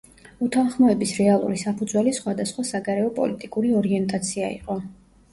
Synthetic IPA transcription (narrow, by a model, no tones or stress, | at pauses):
ut̪ʰanχmɔɛbisɾɛalˠṵɾisapʰud̪zwɛlisχwad̪asχwasaɡaɾɛɔpʼɔ̰lit̪ʼikʼuɾiɔɾiɛnt̪ʼat̪sʰia̰ḭqʼɔ